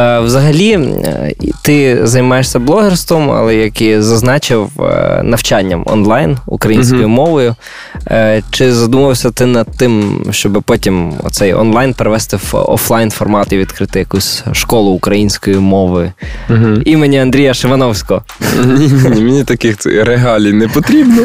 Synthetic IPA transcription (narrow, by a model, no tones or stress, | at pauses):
wzɐɦɐlʲi | t̪ɪzɐjmɑjeʂsʲɐblˠɔɦɛrst̪ʋɔmɐ̰lˠɛjɐkizɐznɑt͡ʃɪwnɐwt͡ʃanʲːɐmɔ̰nlˠɑjnṵkɾɐjinʲsʲkɔjimɔʋɔjʊ | t͡ʃɪzɐd̪umɐʋɐwsʲɐt̪ɪnɐd̪̚t̪ɪmʃt͡ʃɔbɪpɔtʲimɔ̰t̪sɛjɔ̰nlˠɑjnpeɾeʋɛst̪ɪwɔ̰flˠɑjnfɔrmɑt̪ɪʋʲid̪kɾɪt̪ɪjɐkusʲʃkɔlˠʊːkɾɐjinʲsʲkɔjimɔʋɪɦimenʲiɐnd̪ɾʲijɐʃɪʋɐnɔwsʲkɔɔ | nʲinʲinʲimʲenʲit̪ɐkɪxɛ̰ɾeɦɑlʲinɛpɔt̪ɾʲibnɔ